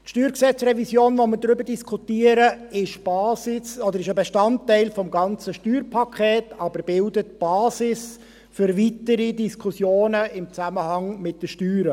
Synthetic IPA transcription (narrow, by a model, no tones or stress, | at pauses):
tʃtyːɾksɛt͡srɛvisjoːnvɔməɾdɾʏbəɾdiskʰutiəɾəɪʃb̥ɑːsɪsɔd̪əɾɪʃəbeʃtɑntːɛɪlfɔmɡɑnt͡səʃtyːrpʰɑkχeːtɑbəɾb̥ɪldətb̥ɑːsɪs | fʏɾvitəɾidiskʰusjoːnəɪmt͡sæməhɑŋmɪt̚d̥əʃtyːɾə